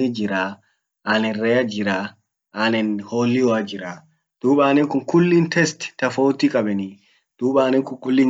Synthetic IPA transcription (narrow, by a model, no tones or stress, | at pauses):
id͡ʒiɾa | anɛnrɛjad͡ʒiɾa | ʔanɛnholːiɔad͡ʒiɾa | d̥uːɓaːnɛnkunkulːintɛsttafowtikʼaɓɛni | d̥uːɓaːnɛnkukulːin